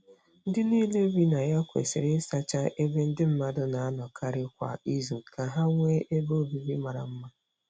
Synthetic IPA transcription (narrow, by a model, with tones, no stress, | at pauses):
n̩˦dɪ˦niː˦le˦bi˦na˨ja˦kʷḛ˨sɪ˨ɾɪ˦sa˦t͡ʃa˦ʔe˦be˦n̩˦dɪ˦m̩˦ma˦dʊ˦na˨a˦nɔ˨kʰa˦ɾɪ˦kʷa̰˨i˦zu˨ka˨ɦa˦ŋʷe˦ʔe˦bo˦˨bi˦bi˦ma˨ɾa̰˨m̩˦ma˦